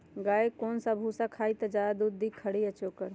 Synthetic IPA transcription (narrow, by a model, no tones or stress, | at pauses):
ɡaːjkoːnsabʱusakʰaːit̪əd͡ʒad̪ud̪d̪ikʰəɽiət͡ʃoːkəɾ